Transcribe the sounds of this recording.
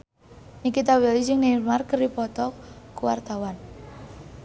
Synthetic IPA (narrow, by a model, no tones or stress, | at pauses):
nikit̪awelid͡ʒɪŋnermarkəripɔt̪ɔkuwa̰rt̪awan